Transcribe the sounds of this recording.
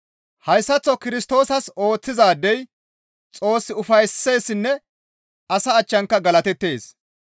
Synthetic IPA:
hɐjsːɐt͡sːɔkɪɾɪst̪o̞ːsɐso̞ːt͡sːɪzaːd̪ːɛj | t͡sʼo̞ːsːɪʊfɐjse̞ːsɪnːɛ | ɐsɐːt͡ʃːɐŋkːɐɡɐlɐt̪ɛt̪ːe̞ːs

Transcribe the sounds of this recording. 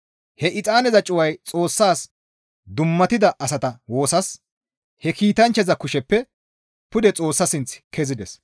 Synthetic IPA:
hɛʔɪt͡sʼaːnɛzɐt͡ʃʼʊwɐjt͡sʼo̞ːsːaːs | d̪ʊmːɐt̪ɪd̪ɐʔɐsɐt̪ɐwo̞ːsɐs | hɛkiːt̪ɐnt͡ʃːɛzɐkʊʃɛpːɛ | pʊd̪ɛt͡sʼo̞ːsːɐsɪnt͡sɪ̥kʰɛzɪd̪ɛs

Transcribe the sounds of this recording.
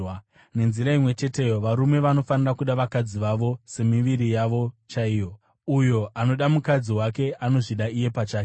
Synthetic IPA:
w | ne̞nziɾaimwe̞t͡ʃe̞te̞joʋaɾume̞ʋano̞fanirakuɗaʋakad͡ziʋaʋo̞se̞miʋiɾijaʋo̞t͡ʃaiːjo̞ | ujo̞ʔano̞ɗamukad͡ziwake̞ano̞ʐiɗaije̞pat͡ʃaːke

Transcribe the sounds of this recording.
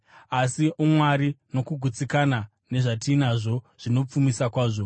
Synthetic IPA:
asiumwaɾino̞kuɡʱut͡sikana | ne̞ʐatiːnaʐo̞ | ʐ̥ino̞p͡fumisakwaːʐo̞

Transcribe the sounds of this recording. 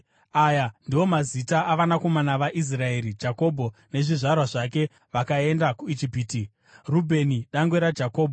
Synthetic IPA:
ajandiwo̞mazitaʔaʋanako̞manaʋaʔis̬rae̞ːɾid͡ʒako̞ːbʱo̞ne̞ʐiʐarwaʐak̬e̞ | ʋakae̞ndakuid͡ʒipiːti | rubʱe̞niɗaŋɡweɾad͡ʒako̞ːbʱo

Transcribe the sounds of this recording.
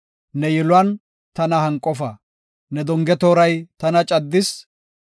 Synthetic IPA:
nɛjɛlʊɐn | t̪ɐnɐhɐŋkʼːɔfɐ | nɛd̪ɔŋɡɛt̪oːɾɐjt̪ɐnɐt͡ʃʼɐd̪ːɪs

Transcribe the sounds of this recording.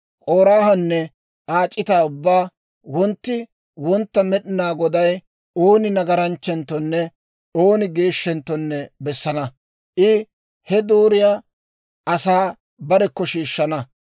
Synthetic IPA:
kʼo̞ːɾaːhɐnːɛ | ʔaːt͡ʃʼːɪt̪aːʊbːaː | wɔnt̪ːɪ | wɔnt̪ːɐmɛɗɪnaːɡɔd̪ɐj | oːnɪnɐɡɐɾɐnt͡ʃːɛnt̪ːɔnːɛ | oːnɪɡeːʃːɛnt̪ːɔnːɛbɛsːɐnɐ | ʔɪ | hɛd̪oːɾɪjaː | ɐsaː | bɐɾɛkːɔʃiːʃːɐnɐ

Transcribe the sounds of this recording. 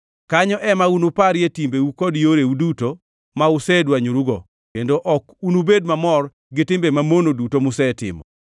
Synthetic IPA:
kaɲɔʔɛmaunupaɾjetimbeukɔdjoɾeuduto | mausɛdwaɲuɾuɡɔ̰ | kendoʔɔkunubedmamɔr | ɡɪtɪmbemamonodutomʊsɛtɪ̰mɔ̰

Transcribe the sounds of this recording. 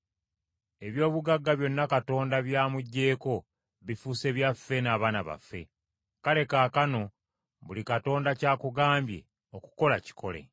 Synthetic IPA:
e̞βjo̞ːβuɡaɡːaβjo̞nːakato̞ːndaβjaːmuɟːe̞ːko̞ | βifuse̞ːβjafːe̞naːβaːnaβa̰fːe̞̰ | kale̞kaːkano̞ | βulikato̞ːndacaːkuɡaːmbje̞̰ | oku̥ko̞laci̥kʰo̞̰le̞̰

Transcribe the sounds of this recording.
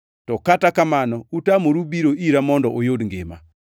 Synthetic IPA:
tɔkatakamanɔutamoɾubiɾoʔiɾamɔndɔʔojodŋɡema̰

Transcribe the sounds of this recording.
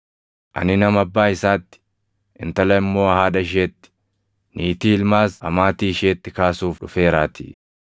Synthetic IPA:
ʔɐ̰nɪnɐmɐbːaːɪsaːt̪ːɪ̥ | ʔɪ̰nt̪ɐlɐɪmːo̞ːɐhaːᶑɐɪʃ̬eːt̪ːɪ̥ | niːt̪iːɪlmaːsɐ̰maːt̪iːʃeːt̪ːɪkaːsuːfᶑʊfe̞ːɾaːt̪i̥̰

